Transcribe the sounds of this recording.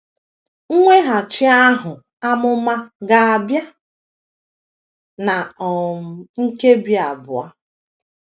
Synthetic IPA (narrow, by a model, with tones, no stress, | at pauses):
ŋ̩˦ŋʷe˦ɦa˨t͡ʃɪ˦a˦ɦʊ˨ | a˦mʊ˦ma˦ɡa˨a˨bja˦ | na˨ɔ˨ŋ̩˦ke˦bi˨˦a˨bʊ˨a˦